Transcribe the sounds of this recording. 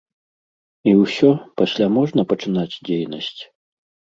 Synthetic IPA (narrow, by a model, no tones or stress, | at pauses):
iwsʲɔpɐsʲlʲamɔʐnɐpɐt͡ʂɨnad͡zʲd͡zʲejnɐsʲt͡sʲ